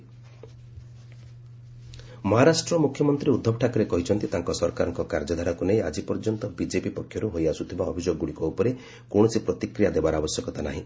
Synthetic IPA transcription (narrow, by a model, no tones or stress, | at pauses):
mɔɦaɾasʈɾɔmukʰjɔmɔnt̪ɾiud̪ʱːɔpʈʰakɔɾekɔɦit͡ʃʰɔnt̪it̪aŋkɔsɔɾkaɾɔŋkɔkaɾd͡ʒɔd̪ʱaɾɔkunejad͡ʒipɔɾd͡ʒɔnt̪ɔbid͡ʒepipɔkʰːjɔɾuɦojasut̪ʰibaɔbʱid͡ʒoɡɔɡuɽikɔupɔɾe | kõɔsipɾɔt̪ikɾijad̪ebaɾabɔsjɔkɔt̪ana̰ɦĩ